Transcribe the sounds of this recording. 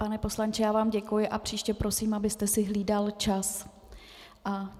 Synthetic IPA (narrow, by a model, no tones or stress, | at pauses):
panɛpo̞slant͡ʃɛjaːvaːmɟɛkujɪʔapr̝̥iːʃcɛpɾo̞siːmabɪst̪ɛsɪɦliːdalt͡ʃas | ʔa